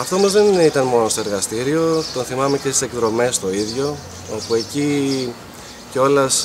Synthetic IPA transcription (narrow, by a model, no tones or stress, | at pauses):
ɐft̪o̞mɐzðe̞nit̪ɐnmo̞no̞st̪o̞e̞ɾɣɐst̪iɾio̞t̪o̞nθimɐme̞cest̪ise̞kðɾo̞me̞st̪o̞iðʝo̞ | opue̞ci | ceo̞lɐs